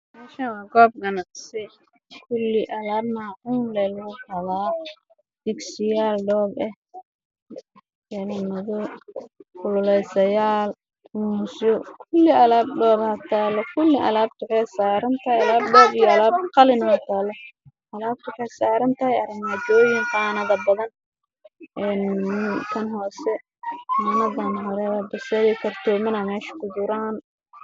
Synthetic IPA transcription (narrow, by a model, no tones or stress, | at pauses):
maʃawɑːɡɔːb̚kʰɐnɐsɛ | kʰʊlːɪʔɐlaːbnaːʕʊnlɛlɣʊhɐlaː | d̪̥ɪksɪjaːlɖɔːbɛh | jɛlɐmɐðɔ | kʰʊlʊlɛjsɐjaːl | ʊmʊsɔkʰʊlːɪʔɐlaːb̚ɖɔːbhɐt̪ʰaːlɔkʰʊlːɪʔɐ̰laːb̚t̪ʰʊħɛsaːɾɐnt̪ʰɐɦɛjɐlaːb̚ɖɔːbijɔɐlaːb̚qɑlɪnɐhɐt̪ʰaːlːɔ | ʔɐlaːb̚t̪ʰʊħɛsaːɾɐnt̪ʰɐhɛjɐɾɪŋɐd̪ɔːjɪŋqɑːnɐðɐbɐðɐn | ʔɛːnmɪnk̪ʰɐnɦɔːsɛ | qɑːnɐðɐnɦɔɾɛɐbɐsɛlɪkʰɐrt̪ʰɔmɐnɐmɛːʃɐ̥kʰʊdʊɾaːn